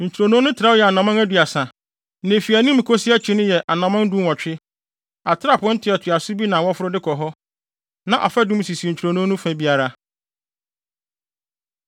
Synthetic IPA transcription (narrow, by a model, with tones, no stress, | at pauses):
ɲ̩˨t͡ɕʰᶣu˨ɾo˨nũ˦nʊ̃˦tʰɾa˦jɛ˨a˨nã˨mã˦næ˦du˨a˨sã˨ | nẽ˨fi˨æ˨nĩ˦mĩ˨kʰo˦sɪ˦a˦t͡ɕʰɪ̃˦nʊ̃˦jɛ˨ʔa˨nã˨mã˦n˦dũ˦˨ɔ̃˨t͡ɕᶣɪ˦ | a˨tʰɪ˦ɾa˦˨pʰʊ̃˦n̩˦tʰɪ˨ɛ˨tʰʊ˨a˨sʊ˦bi˦nã˨wɔ˦fʊ˦ɾʊ˦dɪ˦kʰɔ˨ɦɔ˦ | nã˨ʔa̰˨fa˦dʊ̃˦m˦si˨sɲ̩˨t͡ɕʰᶣu˨ɾo˨nũ˦nʊ̃˦fæ̃˦bi˦a˦ɾa˦